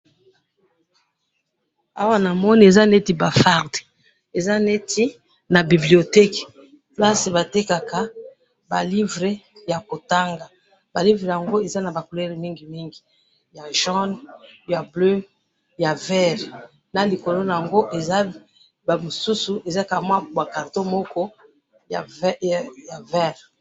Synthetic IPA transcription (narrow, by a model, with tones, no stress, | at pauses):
a˦wa˦na˨mɔ˦ni˦e˨za˦ne˦ti˨ba˨fa˦ʁde˨ | e˨za˦ne˦tʰi˦ | na˨bi˨bli˨o˨tɛ˦k | pba˦se˨ba˨te˦ka˨ka˨ | ba̰˨li˦vʁe˨ja˨ko˨ta˦ŋɡa˨ | ba˨li˦vʁe˨ja˨ŋɡo˦e˨za˦na˨ba˨ku˨le˦ʁmi˦ŋɡi˨mi˦ŋɡi˨ | ja˨ʒɔ˦nja˨blø˦ | ja˨vɛ˦ʁ | na˨li˨ko˨lo˦na˨ja˨ŋɡo˦ʔe˨za˦ | ba˨mo˨su˦su˨e˨za˦ka˨mwa˦bwa˨ka˨ʁto˦mɔ˦kɔ˦˨ | ja˨vɛ˦ʁ